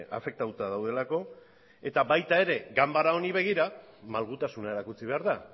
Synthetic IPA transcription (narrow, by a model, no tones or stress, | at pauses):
ʔa̰fe̞k̚t̪aut̪aðawð̞e̞lako̞ | e̞t̪aβajt̪ae̞ɾe̞ɡambaɾao̞niβe̞ɣ̞iɾamalɣ̞ut̪asunae̞ɾakut͡siβe̞aɾða